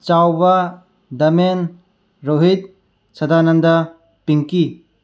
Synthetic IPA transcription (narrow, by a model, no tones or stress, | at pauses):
t͡ʃawbɐ | dɐmen | ɾoɦit̚ | sɐdanɐndɐ | piŋki